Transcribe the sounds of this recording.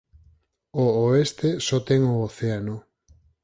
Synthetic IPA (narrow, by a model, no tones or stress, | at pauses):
ooest̪esɔt̪eŋooθeano